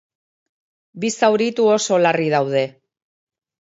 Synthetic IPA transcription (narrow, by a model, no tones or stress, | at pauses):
bisawɾit̪uo̞so̞larið̞awð̞e̞